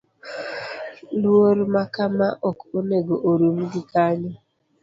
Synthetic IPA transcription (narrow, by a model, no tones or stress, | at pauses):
lwoɾmakamaʔɔkoneɡoʔoɾum̩ɡɪkaɲe